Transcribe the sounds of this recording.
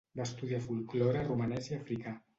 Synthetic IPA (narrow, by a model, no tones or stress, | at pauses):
baest̪uðiafulkloɾarumanɛziafɾika